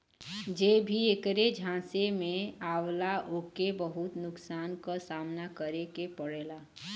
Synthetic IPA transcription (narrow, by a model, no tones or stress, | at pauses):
d͡ʒeːbʱiekɾed͡ʒʱãːsemẽaːwlaʔoːkebəɦʊt̪nʊksaːnkasaːmnakəɾekepəɽeːlaː